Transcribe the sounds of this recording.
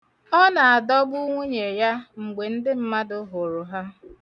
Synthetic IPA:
ɔ˦na˨a˨dɔ˦bʊ˦ŋʷu˦ɲe˨ja˦ŋ͡m̩˨ɡ͡be˨n̩˦dɪ˦m̩˦ma˦dʊ˨ɦʊ˨ɾʊ˨ɦa˦

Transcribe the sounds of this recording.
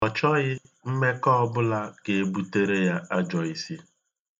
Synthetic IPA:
ɔ˨t͡ʃɔ˦ɣɪ˦ | m̩˦me˦kɔ˦ɔ˦bʊ˦la˦ɡe˨e˨bu˨˦te˦ɾe˦ja˦a˦d͡ʒɔ˨i˨si˦

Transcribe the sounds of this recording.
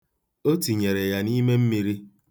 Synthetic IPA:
o˦ti˨ɲe˨ɾe˨ja˨ni˦me˦m̩˦mi˨ɾi˦

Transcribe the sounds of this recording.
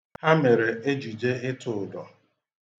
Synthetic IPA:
ha˦me˨ɾe˨e˦d͡ʒu˨d͡ʒe˦ɪ˦tʰʊ˨dɔ˨

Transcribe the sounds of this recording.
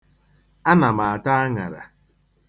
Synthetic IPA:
a˦na˨ma˨a˨ta˦a˦ŋa̰˨ɾa̰˨

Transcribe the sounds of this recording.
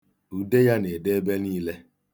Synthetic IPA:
u˨de˦ja˦ne˨de˦be˦niː˦le˦

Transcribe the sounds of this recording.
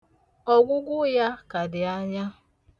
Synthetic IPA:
ɔ˦ɡʷʊ˦ɡʷʊ˦ja˦ka˨dɪ˨a˦ɲa˦

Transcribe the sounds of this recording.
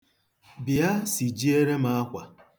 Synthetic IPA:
bi˨a˦si˨d͡ʒi˦e˦ɾe˦ma˦a˦kʷa˨

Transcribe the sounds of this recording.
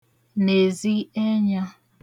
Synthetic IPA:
ne˨zi˦e˦ɲa˦

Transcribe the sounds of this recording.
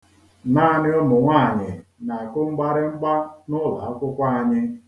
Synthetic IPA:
naː˦˨nɪ˦ɔ˦mʊ˨ŋʷaː˦˨ɲɪ˨na˨kʊ˦ŋ͡m̩˦ɡ͡ba˦ɾɪ˦ŋ͡m̩˦ɡ͡ba˦nʊ˦la˨a˦kʷʊ˦kʷa˦a˨ɲɪ˦

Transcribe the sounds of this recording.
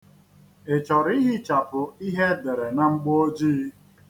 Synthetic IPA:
e˨t͡ʃɔ˨ɾi˦ɦɪ˦t͡ʃa˨pʊ˨i˦ɦe˦de˨ɾe˨na˨ŋ͡m̩˦ɡ͡bo˦d͡ʒiː˦

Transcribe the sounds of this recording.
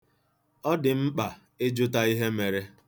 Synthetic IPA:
ɔ˦dɪ˨m̩˦k͡pa˨ | e˦d͡ʒʊ˦ta˦i˦ɦe˦me˨ɾe˦

